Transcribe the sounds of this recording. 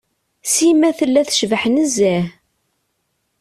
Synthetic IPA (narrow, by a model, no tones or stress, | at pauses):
simæθəlːæθʃvəħnəzːæ